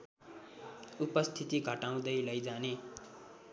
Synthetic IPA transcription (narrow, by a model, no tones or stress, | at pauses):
upʌst̪ʰit̪iɡʱʌʈaw̃d̪ʌjlʌjd͡zane